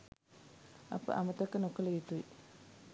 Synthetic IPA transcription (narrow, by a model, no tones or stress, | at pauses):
a̰pə̰ʔa̰mət̪əkːənokələɡit̪ui